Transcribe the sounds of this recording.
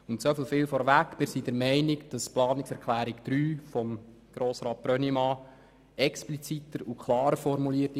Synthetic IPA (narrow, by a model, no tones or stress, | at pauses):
ʊntsofəlfɪːlfɔɾʋækːmɪːɾsidɛɾmɛɪnɪkd̥ɑsplɑːnɪksɛɾkʰlæːɾikd̥ɾyːfɔm | ɡ̥ɾoːsɾɑːt̚b̥ɾœnimɑː | ɛksplit͡sit̪əɾukʰlɑːɾəfɔɾmuliətɪ